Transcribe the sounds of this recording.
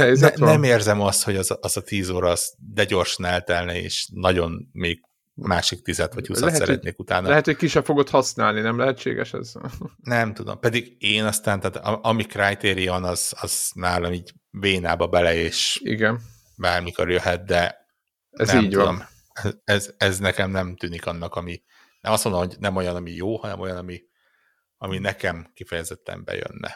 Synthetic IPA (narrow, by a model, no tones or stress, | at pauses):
ɛznɛmeːrzɛmɒst̪ho̞ɟɒzʔːzɒt̪iːzoːɾɒːz̥d̪ɛɟo̞rʃɒnɛlt̪ɛlnɛḛːʃnɒɟo̞nmeːɡ̚ | maːʃik̚t̪izɛt̪ʋɒustɛsɛ̰ɾɛ̰t̪neːkut̪aːnɒlɛɦɛt̪hockiʃɛfo̞ɡot̪hɒsnaːlninɛmlɛɦɛtt͡ʃḛːɡɛ̰ʃɛ̰znɛmt̪ud̪o̰mpɛd̪iɡeːnɒst̪aːnt̪aːt̪ʔɒmikrajt̪eːɾiɒnɒz̥ɒz̥naːlɒmiːɟ | veːnaːbɒbɛlɛeːʃḭɡɛn | baːrmiko̞rjøɦɛt̪̚d̪ɛ | ɛzimːɟt̪ud̪om | ɛɛzɛznɛkɛmnɛmt̪yːnikɒnːɒkɒmi | nɛmɒst̪ond̪omhoɟnɛmo̞jɒnɒmijoːhɒnɛmo̞jɒnɒmi | ɒminɛkɛmkifɛjɛzɛt̪ːɛ̰mbɛ̰jø̰nːɛ̰